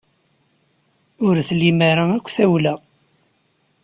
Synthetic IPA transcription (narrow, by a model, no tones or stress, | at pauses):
ʊɾθlːimæɾaækʷːθæwlæ